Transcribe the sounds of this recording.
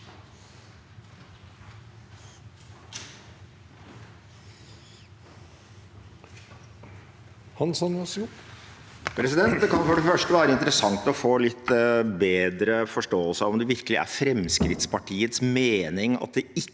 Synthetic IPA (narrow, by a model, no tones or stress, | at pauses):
hɑnsɑnɑs | pʰɾɛsɪd̪ɛnt̪̚d̪ɛkʰɑnfɔɖɛfœʂʈəʋæːɾəɪnt̪əɾəsɑŋt̪ɔfoːlɪt̪ːbeːd̪ɾəfɔʂʈoːəlsəɑɔmd̪ɛʋɪɾkəlɪʔæ̰ɾfɾɛmskɾɪt̪spʰɑʈʰiːət̪smeːnɪŋɑ̰t̪̚d̪ɛɪ